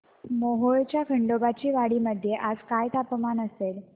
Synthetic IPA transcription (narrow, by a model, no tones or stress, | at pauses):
moɦoɭt͡ɕjakʰəɳɖobat͡ɕiːʋaɽiːməd̪ʱːjeʔad͡zkajt̪apmanəsel